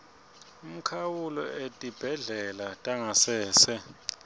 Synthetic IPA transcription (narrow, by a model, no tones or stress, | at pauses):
um̩kʰawulɔetʼib̥ʱɛɮɛlatʼaŋasɛːsɛ